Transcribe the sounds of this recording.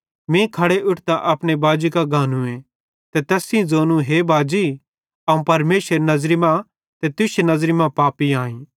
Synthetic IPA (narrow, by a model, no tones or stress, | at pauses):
mẽkʰɐɽeʔʊʈʰt̪ãʔɐpɽ̃ebaːd͡ʒikaɡʱaːnũẽ | t̪et̪ɛːsĩd͡zoːnũɦebaːd͡ʒi | ɐũpɐɾmeːʃɾenɐzɾimã | t̪et̪ʊʃenɐzɾimãpaːpiãːĩː